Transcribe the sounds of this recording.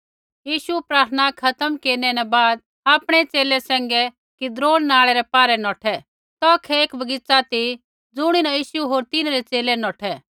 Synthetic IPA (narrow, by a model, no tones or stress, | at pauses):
jiːʃupɾaːt̪ʰnakʰɐt̪əmkeːɾnɛnɛ̃baːd̪̚ | aːpɽ̃ɛt͡seːlɛsɛ̃ːŋ̆ɡɛ | kid̪ɾoːɽnaːɭɛɾɛpaːɾɛnɔːʈʰɛ | t̪ɔkʰɛeːkbɐɡɪt͡sat̪i | d͡zʊɽ̃inãjiːʃuɦoːɾt̪ɪnaɾɛt͡seːlɛnɔːʈʰɛ